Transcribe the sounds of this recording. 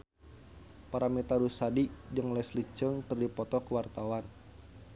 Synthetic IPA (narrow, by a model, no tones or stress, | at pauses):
paɾamɛt̪aɾusadid͡ʒɨŋlɛslit͡ʃənkərdipɔt̪ɔkəwart̪awan